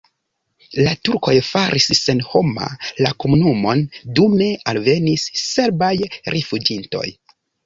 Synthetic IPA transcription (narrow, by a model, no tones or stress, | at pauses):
latuɾko̞jfaɾʔisːe̞nho̞ma̰lako̞munumo̞ndume̞alve̞nisːe̞ɾbajɾʔefud͡ʒinto̞̰j